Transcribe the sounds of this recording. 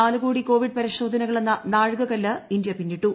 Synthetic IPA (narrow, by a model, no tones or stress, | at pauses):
aːluɣoːɽiko̞ːʋiɖ̚pɐɾiɕo̞ːd̪ʱɐnɐɣɐɭenːɐnaːɻɡɐkɐlːɐind̪jɐpinːiʈːu